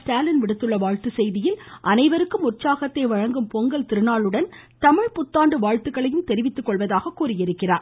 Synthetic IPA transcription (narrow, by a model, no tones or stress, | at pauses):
sʈaːlɪnʋɪɽɯt̪ːɯɭːɐʋaːɻt̪ɯsɛjðɪjɪlʔɐnɐɪʋɐɾɯkːɯmʊrt͡ʃaːɣɐt̪ːɐɪʋɐɻɐŋɡɯmpɔŋɡɐɭt̪ɪɾɯnaːɭɯɽɐn | t̪ɐmɪɻpʊt̪ːaːɳɖɯʋaːɻt̪ɯɣɐɭɐjɯmt̪ɛɾɪʋɪt̪ːɯkːɔɭʋɐðaːɣɐkːuːrɪjɪɾɯkːɪraːɾ